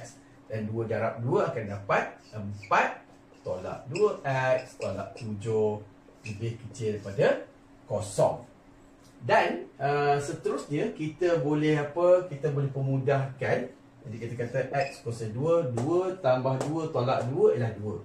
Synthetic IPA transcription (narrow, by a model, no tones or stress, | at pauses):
k̚s | d̥anduədaɾap̚duəakandapat̪̚əmpat̪ː | ola̰ʔduəʔɛk̚st̪ola̰ʔt̪ud͡ʒo | ləbɪhkət͡ʃɪlpadə | kosɔ̰ŋ | danəsət̪əɾʊsɲəkit̪əbolɛhapəkit̪əbolɛhpəmũdahkan | d͡ʒadikit̪akat̪aʔɛk̚skosɔnduəduət̪ambahduət̪ola̰ʔduəilahduə